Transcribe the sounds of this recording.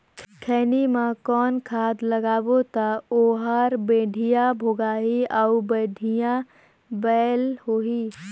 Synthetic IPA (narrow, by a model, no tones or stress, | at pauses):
kʰɛːnimãkɔːnkʰaːd̪ləɡaːbot̪aoːɦaːɾbeːɖʱijãbʱoːɡaːɦiaʊbəːɖʱijã | bɛlhoːɦi